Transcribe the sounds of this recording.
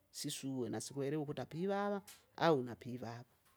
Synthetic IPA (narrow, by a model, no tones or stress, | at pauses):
siʂuwenasikweɾewokutapiʋaʋa | aɦunapʰiʋaːʋa